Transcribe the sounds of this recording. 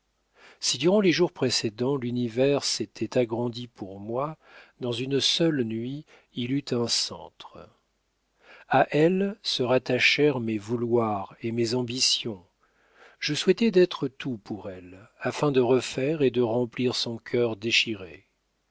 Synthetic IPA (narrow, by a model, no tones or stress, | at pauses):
sid̪yʁɑ̃leʒuʁpχesed̪ɑ̃lynivɛʁset̪ʰɛt̪aɡʁɑ̃d̪ipuʁmwa | d̪ɑ̃zynsœlnɥi | ilyt̪ɛ̃sɑ̰̃t̪χ | aʔɛlsəʁat̪aʃɛʁmevulwaʁemezɑ̃bisjɔ̃ | ʒ̥əswɛt̪ɛd̪ɛt̪χət̪upʰuʁɛlafɛ̃d̪əʁəfɛʁed̪əʁɑ̃pliʁsɔ̃kʲʰœʁd̪eʃiʁḛ